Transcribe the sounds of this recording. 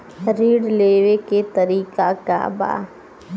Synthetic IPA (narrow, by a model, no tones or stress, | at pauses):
ɾiːɽleːʋeket̪ɐɾiːkaka̰ba̰ː